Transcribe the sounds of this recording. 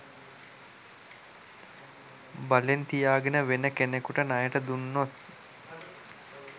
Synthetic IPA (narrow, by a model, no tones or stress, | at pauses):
balent̪ijaːɡenəʋenəkenekuʈənajəʈəd̪unːot̪̚